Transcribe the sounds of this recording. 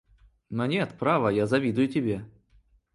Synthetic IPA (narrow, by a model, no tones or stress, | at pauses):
nonʲet̪pɾavəjazɐvʲid̪ʊjʊtʲɪbʲe